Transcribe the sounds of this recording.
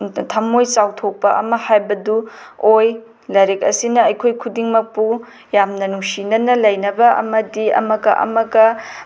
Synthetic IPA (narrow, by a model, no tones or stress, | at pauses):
tʰɐmojt͡ʃawtʰok̚pɐʔɐ̰mɐhajbɐdu | oj | lɐɾekɐsinɐɐjkʰojkʰudiŋmɐk̚pu | jamnɐnuŋsinɐnɐlɐjnɐbɐʔɐ̰mɐdiɐ̰mɐɡɐ̰ʔɐ̰mɐɡɐ